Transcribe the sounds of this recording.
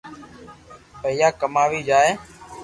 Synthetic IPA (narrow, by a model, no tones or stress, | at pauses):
pəɦɪjaːkəmaːʋiːd͡ʒaːeː